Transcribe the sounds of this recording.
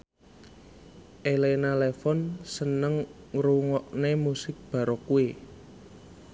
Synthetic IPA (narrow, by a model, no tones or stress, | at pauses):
ʔelenalefɔnsənəŋ | ruŋɔʔnemusɪk̚b̥a̤ɾɔkue